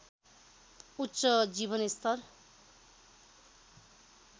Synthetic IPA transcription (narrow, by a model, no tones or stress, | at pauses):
ut̪ːsʌd͡ziβʌnest̪ʰʌr